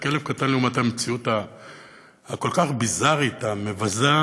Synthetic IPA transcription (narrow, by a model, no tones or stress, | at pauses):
ke̞levkat̪anleumathamet͡siut̪a | hːko̞lkaχbizaʁit̪ame̞vaza